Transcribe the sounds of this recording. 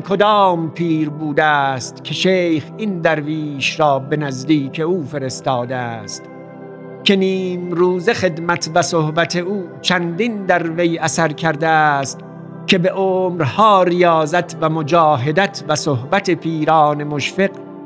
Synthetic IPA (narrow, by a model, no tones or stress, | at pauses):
kʰod̪ɒːmpʰiːɾbuːd̪ææst̪kʲʰe̞ʃeːjxind̪æɾviːʃɾɒːbe̞næzd̪iːkʰe̞uːfe̞ɾe̞st̪ɒːd̪eæst̪ | kʲʰe̞niːmɾuːze̞xe̞d̪mæt̪ʰvæsohbæt̪ʰe̞uːt͡ʃʰænd̪ind̪æɾvejæsæɾkʲʰæɾd̪eæst̪ | kʰʲe̞be̞ʔoːmɾhɒːɾijɒːzæt̪ʰvæmod͡ʒɒːɦe̞d̪æt̪ʰvæsohbæt̪ʰepʰiːɾɑːne̞moʃfe̞q